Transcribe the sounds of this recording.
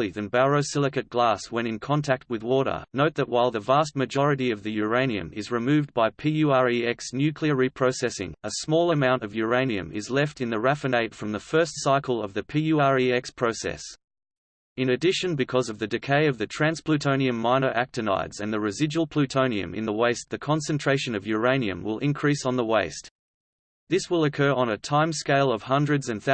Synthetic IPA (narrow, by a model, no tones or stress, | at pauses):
lˠiðɨ̃nbæɹəʊsɪlˠɨkɨt̚ɡ̥læswə̃ñɨ̃nkʰɑ̃ntʰæk̚t̚wɨðwɔɾə̰˞noʊt̪̚ðɨʔ̚waɪlˠðəvæst̚mɨd͡ʒɔɹɨɾiʌvðɨjə˞ẽɪ̃niɨ̰̃mɪzɹɨmʉvbaɪpʰijʉɑɹiɛksnjʉkʰliəɹipʰɹ̥əʊsɛsɪ̰̃ŋəsmɔlˠəmãʊ̃ntʌvjə˞ẽɪ̃niɨ̰̃mɪ̰zlɛftɨ̃nðɨɹæfɨneɪtfɹʌ̃mðəfɜ˞stsaɪkəl̩ˠʌvðɨpʰijʉɑɹiɛkspʰɹ̥oʊsɛ̰s | ɨ̃nɨdɪʃɨ̃nbɨkʰʌzʌvðɨdɨkʰeɪʌvðɨtʰɹ̥æ̃nspʰlʉtʰõʊ̃niɨ̃mːãɪnəʊʔæk̚tɨna̰ɪdz̥ɨ̃nðɨɹɨzɪd͡ʒwl̩ˠpʰl̥ʉtʰõʊ̃niɨ̰̃mɨ̰̃nðəweɪst̪̚ðɨkʰɑ̃nsɨ̃ntʰɹ̥eɪʃɨ̃nʌvjə˞ẽɪ̃niɨ̰̃mwɪ̰lˠʔɪ̰̃nkʰɹ̥isn̩ðəweɪst | ðɪswəlˠəkʰɜ˞ʔə̃nɨtʰãɪ̃mskeɪlˠʌv̥hʌ̃ndɹɨdzɨ̃nθ